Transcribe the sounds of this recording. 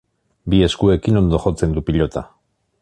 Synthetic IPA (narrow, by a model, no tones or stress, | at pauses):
bie̞skue̞kino̞nd̪o̞xo̞t͡se̞nd̪upiʎo̞t̪a̰